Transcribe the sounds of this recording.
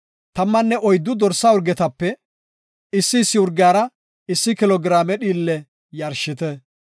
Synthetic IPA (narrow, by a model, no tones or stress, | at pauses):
t̪ɐmːɐnːɛʔɔjd̪ːʊd̪ɔɾsːaʊɾɡɛt̪ɐpːɛ | ɪsːɪːsːɪʊɾɡɪjaːɾɐ | ɪsːɪkɪlɔɡɪɾaːmɛɗiːlːɛ | jɐɾʃːɪt̪ɛ